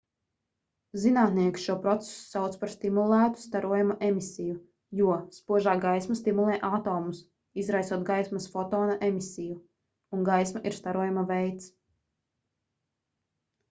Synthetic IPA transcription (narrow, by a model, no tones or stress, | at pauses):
zinaːt̪niɛkʲsʃuɔpɾɔt̪se̥su̥sawt̪spaɾst̪imulˠæːt̪u̥st̪aɾuɔjamaʔemisiju | juɔspuɔʒaːɡajsmast̪imulˠɛːʔat̪ɔːmus | izɾajsuɔt̪̚ɡajsmasfɔt̪ɔːnaʔemisiju | unɡajsmaʔiɾst̪aɾuɔjamavɛjt̪s